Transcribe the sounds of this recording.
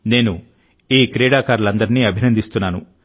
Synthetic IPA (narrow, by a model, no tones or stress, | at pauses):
ne̞ːnu | iːkɾɛːɽaːkaːɾulɐnd̪ɐɾiniːɐbʱinɐnd̪ist̪unːaːnṵ